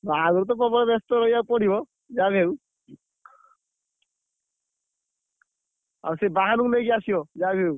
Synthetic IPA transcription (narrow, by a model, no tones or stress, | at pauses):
baɦaɡɔɾt̪̬ɔp̬ɔbɔlɛbɛst̪ɔɾɔijawpɔɽ̤ibɔ | d͡ʒabʱew | a̰ɾsebaɦanukleɡiasibɔd͡ʒabʱew